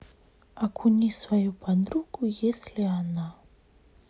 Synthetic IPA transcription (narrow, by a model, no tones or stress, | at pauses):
akʰunisvaib̥anrukuesileana